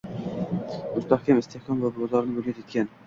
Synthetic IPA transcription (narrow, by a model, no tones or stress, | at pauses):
mʊst̪ahkʲamɪst̪ʰehkʲʰɒmvablɒzɒɾnɪbɵlʲat̪ʰet̪̚kʲan